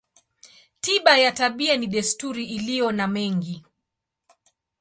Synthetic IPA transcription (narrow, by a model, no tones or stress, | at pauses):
tiɓajataɓianiɗɛstuɾiːlijɔnamɛŋɡi